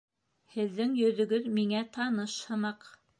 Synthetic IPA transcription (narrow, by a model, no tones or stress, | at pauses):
hɘ̆ðːɘŋjɵ̆ðɵ̆ɡɵðmiŋæt̪ɑnɤʃhɤ̆nɑq